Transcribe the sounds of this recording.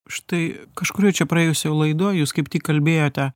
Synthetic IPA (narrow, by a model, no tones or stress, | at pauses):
ʃt̪ɐɪkɐʃkʊɾʲuːt͡ʃʲɛpɾɐeːjʊsʲjɛʊlˠɐɪd̪oːjuːskɐɪpt̪ʲiːkkːɐlʲbʲeːjoːt̪ʲɛ